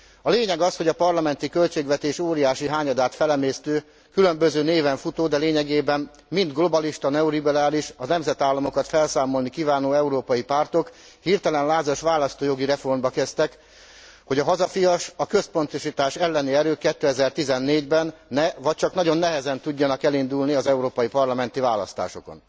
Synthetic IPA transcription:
ɒleːɲɛɡɒsho̞ɟɒpɒrlɒmɛnt̪ikø̞lt͡ʃeːɡʋɛt̪eːʃoːɾijaːʃiɦaːɲɒd̪aːt̪fɛlɛmeːst̪øː | kylø̞mbø̞zøːneːvɛɱfut̪oːd̪ɛleːɲɛɡeːbɛmː | ind̪ɡlo̞bɒliʃt̪ɒnɛoɾibɛɾaːliʃɒnɛmzɛt̪aːlːɒmo̞kɒt̪fɛlsaːmo̞lnikiːvaːnoːɛuɾoːpɒjipart̪o̞k | hirt̪ɛlɛnlaːzoʃʋaːlɒst̪oːjo̞ɡiɾɛfo̞rmbɒkɛst̪ɛk | ho̞ɟɒɦɒzɒfijɒʃɒkø̞spo̞nt̪oʃit̪aːʃɛlːɛniɛɾøːkɛt̪ːøːɛzɛrt̪izɛnːeːɟbɛnːɛvɒc̚t͡ʃɒknɒɟo̞nːɛɦɛzɛnt̪uɟːɒnɒkɛlind̪ulniɒzɛuɾoːpɒjipɒrlɒmɛn̪t̪ivaːlɒ̰st̪a̰ːʃo̞̰ko̞̰n

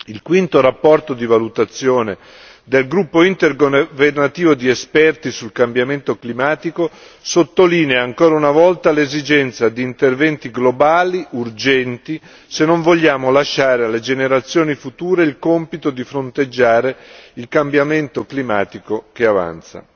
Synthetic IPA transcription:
ilkwint̪oɾapːɔrt̪od̪ivalut̪at̪sːjoːne | d̪elɡɾupːoint̪erɡvernat̪iːvod̪iespɛrt̪isulkambjament̪oklimaːt̪iko | sot̪ːoliːneaːŋkoːɾaunavɔlt̪alezid͡ʒɛnt̪sad̪iːnt̪ervɛnt̪iɡlobaːliʔurd͡ʒɛnt̪i | senːoɱvoʎːaːmolaʃːaːɾealːed͡ʒeneɾat̪sːjoːnifut̪uːɾeilkompit̪od̪ifɾont̪ed͡ʒːaːɾeilkambjament̪oklimaːt̪ikokeava̰nt̪sa̰

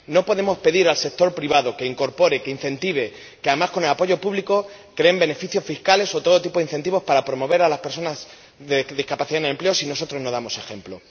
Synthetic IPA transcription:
no̞po̞ðe̞mo̞spe̞ðiɾalse̞k̚t̪o̞ɾpɾiβ̞aðo̞ke̞iŋko̞ɾpo̞ɾeke̞in̟θẽ̞nt̪iβ̞e̞ | keaðemasko̞ne̞lapo̞ʝo̞puβliko̞ | kɾe̞embe̞ne̞fiθjo̞sfiskale̞so̞t̪o̞ð̞o̞t̪ipo̞ðin̟θe̞nt̪iβo̞spaɾapɾo̞mo̞βe̞ɾalaspeɾso̞naz | ðeðihkapaθiðand̪emple̞o̞sino̞so̞t̪ɾozno̞ðamo̞se̞xẽ̞mplo̞

